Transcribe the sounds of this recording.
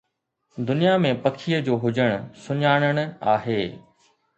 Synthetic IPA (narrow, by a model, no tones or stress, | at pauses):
d̪ʊnijamẽpɐkʰijəd͡ʑoːɦʊd͡ʑəɽ̃ʊsʊɲaːɽ̃əɽ̃ʊ̆a̰ːɦeː